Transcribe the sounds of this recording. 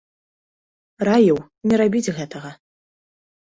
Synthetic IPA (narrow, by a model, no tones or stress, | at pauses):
rajiw | nʲɛɾabʲid͡zʲɣɛt̪ɐɣɐ